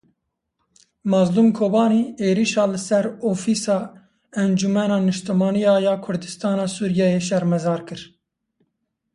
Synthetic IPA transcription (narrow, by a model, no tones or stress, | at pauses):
mɑːzluːmkʰoːbɑːniːeːɾiːʃɑːlɨsɛɾoːfiːsɑː | ɛnd͡ʒumɛnɑːnɨʃt̪ɛmɑːnijɑːjɑːkʰʊɾd̪ɨst̪ɑːnɑːsuːɾjɛjeʃ̬ɛɾmɛzɑːɾkɨɾ